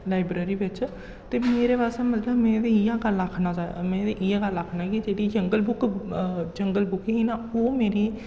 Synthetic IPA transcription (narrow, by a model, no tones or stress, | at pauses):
laːɪbɾeːɾiːʋɪt͡ʃ | t̪eːmeːɾeːpaːseːmət̪ləbmɛ̃ːd̪eijaːɡələkʰnaːt͡ʃaːmɛ̃ːd̪eʔijaːɡələkʰnaːkid͡ʒeːɽiːd͡ʒəŋɡəlbʊk | d͡ʒəŋɡəlbʊkːɦiːnaːoːmeːɾiː